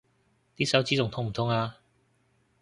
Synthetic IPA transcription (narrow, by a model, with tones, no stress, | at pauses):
t̪iː˥sɐ˨˥wt͡siː˥ʊ˨ŋt̪ʰʊ˥ŋm̩˨˩t̪ʰʊ˧˥ŋaː˧